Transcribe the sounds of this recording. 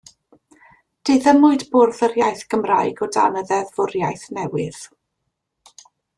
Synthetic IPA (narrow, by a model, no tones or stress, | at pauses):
d̥ɪðəmʊɨdbʊrðərjajθɡ̥əmrajɡɔda̰nəðɛðvʊrjajθnɛwɪð̥